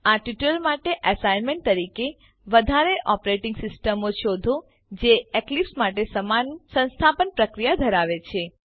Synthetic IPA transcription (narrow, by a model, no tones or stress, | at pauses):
aʈiʈəlmaʈeʔəsajnmẽɳʈ̚t̪əɾike | ʋəd̪ʱaɾeʔɔpɾeʈĩŋɡsɪsʈəmoʃod̪ʱũ | d͡ʒeeklipsmaʈesəmansə̃ñst̪ʰapənpɾəkɾijad̪ʱəɾaʋet͡ʃʰe